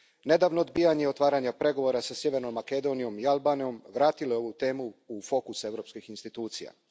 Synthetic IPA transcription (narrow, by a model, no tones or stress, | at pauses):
ne̞d̪aːʋnoːd̪bijaɲeot̪ʋaːɾaɲapɾe̞ɡo̞ʋo̞ɾasasje̞ʋe̞ɾnomːake̞d̪o̞nijo̞mialˠbaːnijo̞mʋɾaːt̪ilojeo̞ʋut̪e̞ːmuufo̞kuse̞ʋɾo̞ːpskixinst̪it̪uːt̪sija̰